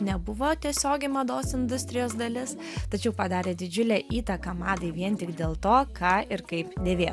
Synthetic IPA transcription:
nʲɛbʊʋoːt̪ʲiɛsʲoːɡʲɪmɐd̪oːsɪnd̪ʊsʲt̪ʲɾʲɪjoːsd̪ɐlʲɪs | t̪ɐt͡ʃʲɛʊpɐd̪ɑːɾʲeːd̪ʲɪd͡ʒʲʊlʲæːʔiːt̪ɐkɐmɑːd̪ɐɪʋʲiɛnt̪ʲɪkd̪ʲeːlˠt̪oːkɑːʔɪɾkɐɪpd̪ʲeːʋʲeːj

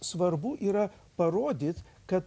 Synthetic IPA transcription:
sʋɐɾbʊʔiːɾɐ | pɐɾoːd̪ʲiːt̪ | kɐt̪

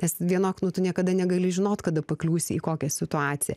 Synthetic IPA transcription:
nʲɛsʋʲiɛnoːknʊt̪ʊnʲiɛkɐd̪ɐnʲɛɡɐlʲɪʒʲɪnoːt̪kɐd̪ɐpɐklʲuːsʲɪiːkoːkʲɛsʲɪt̪ʊɑːt̪sʲɪjɛ̰

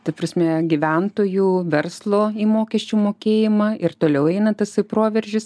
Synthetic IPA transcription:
t̪ɐpɾɐsʲmʲɛɡʲɪʋʲænt̪oːjuːʋʲɛrslˠoːiːmoːkʲɛʃʲt͡ʃʲuːmoːkʲeːjɪmɐɪrt̪oːlʲɛʊɛɪnɐt̪ɐsɐɪpɾoːʋʲɛɾʲʒʲɪs

